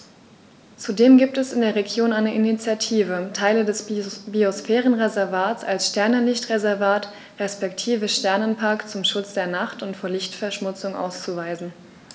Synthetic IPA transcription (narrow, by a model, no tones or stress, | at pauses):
t͡sudeːmɡiːp̚tɛsɪndeːɐʁeɡjoːnaɪnəʔinit͡sjatʰiːvətʰaɪlədɛsbiosfɛːʁənʁezɛɐvaːtt͡salsʃtɛɐnəlɪçtʁezɛɐvaːt | ʁɛspɛktʰiːvəʃtɛɐnənpʰaɐkt͡sʊmʃʊt͡sd̥eːɐnaχtʊntfoːɐlɪçtfɛɐʃmʊt͡sʊŋʔa̰ʊst͡suvaɪzn̩